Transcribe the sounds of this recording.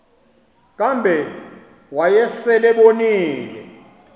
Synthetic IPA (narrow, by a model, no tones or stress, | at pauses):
k̬ʼambʱɛ | wajɛsɛlɛɓoniːlɛ̰